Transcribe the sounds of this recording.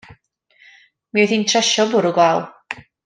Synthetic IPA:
miɔθintʰrɛʃɔbʊɾuɡwalˠ

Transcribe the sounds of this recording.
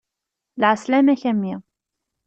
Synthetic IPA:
lʕaslæmæçæmːi

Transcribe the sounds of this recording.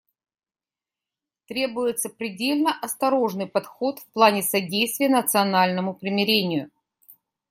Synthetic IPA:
t̪ɾʲe̞bʊjɪt̪səpɾʲɪdʲelʲnəʔɐst̪ɐɾo̞ʐnɨjpɐt̪xo̞t̪fplˠanʲɪsɐdʲejst̪vʲɪjənət̪sɨɐnalʲnəmʊpɾʲɪmʲɪɾʲenʲɪjʊ

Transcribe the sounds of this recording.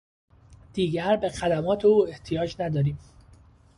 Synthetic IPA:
d̪̥iːɟæɾbe̞xæd̪æmɒːt̪ʰe̞uːe̞ht̪ʰijɒːd͡ʒnæd̪ɒːɾiːm

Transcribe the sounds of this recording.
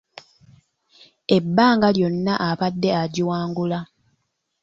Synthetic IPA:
e̞bːaːŋɡaljo̞nːaʔapadːe̞aɟiwaːŋɡula

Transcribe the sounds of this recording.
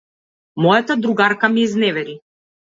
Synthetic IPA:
mɔjat̪ad̪ɾuɡaɾkamiːznɛvɛɾi

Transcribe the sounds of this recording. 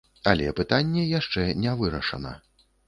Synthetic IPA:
alʲɛpɨt̪anʲːɛjaʂt͡ʂɛnʲɛvɨɾɐʂɐnɐ̰

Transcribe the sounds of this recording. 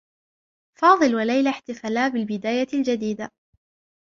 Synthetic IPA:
fɑːðˤɨlwalajlaħt̪ɪfalaːbɪlbɪd̪aːjald͡ʒad̪iːd̪a

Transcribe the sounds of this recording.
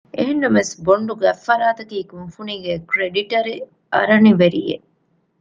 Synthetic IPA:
ʔeɦenːɐmesboɳɖuɡæfːɐɾaːt̪ɐkiːkunfuniɡekɾeɖiʈɐɾe | ɐ̰ɾɐniʋeɾḭjḛ

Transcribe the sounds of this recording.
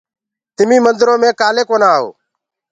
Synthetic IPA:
t̪ɪmĩːmənd̪ɾõːmẽːkaːleːkoːnaːɦo̰ː

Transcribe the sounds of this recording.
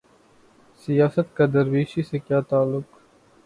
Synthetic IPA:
sijaːsət̪kad̪əɾʋiːʃisekjaːt̪aːlːʊk

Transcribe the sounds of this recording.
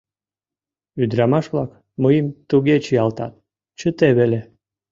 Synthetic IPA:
yd̪ɾɑmɑʃβlɑk | məjəmt̪uɣet͡ɕijɑlt̪ɑ̰t̪̚ | t͡ɕət̪eβele

